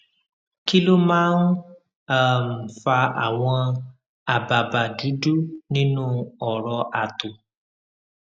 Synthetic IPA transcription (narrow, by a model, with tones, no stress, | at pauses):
ki˦lo˦mãː˦n̩˦ | a˦˨m̩˨fa˧a̰˨w̃ɔ̃˧ | a˨ba˨ba˨du˨˦du˦nĩ˦nũ˦ɔ˨ɾɔ˧ʔa˨to˨